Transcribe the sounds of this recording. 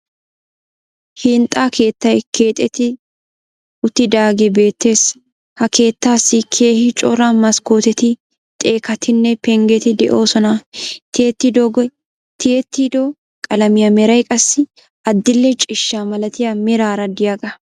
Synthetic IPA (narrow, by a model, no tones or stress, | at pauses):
hɪnt̪ʼːaːkʰe̞ːt̪ːɐjkʰe̞ːt̪ʼːɛt̪ɪ | ʊt̪ːɪd̪aːɡɛbe̞ːt̪ːe̞ːs | hɐke̞ːt̪ːaːsːɪkʰeːhɪt͡ʃʼɔɾamɐskoːt̪ɛt̪ɪ | t̪ʼe̞ːkɐt̪ʰɪnːɛpɛŋɡɛt̪ɪd̪ɛʔo̞ːsɔnɐt̪eːt̪ːɪd̪ | t̪eɛt̪ːid̪o | kʼɐlɐmɪjɐmɛɾɐjkʼɐsːɪ | ɐd̪ːɪlːɛt͡ʃʼɪʃːaːmɐlɐt̪ɪjamɛɾaːɾɐd̪ɪjaɡɐ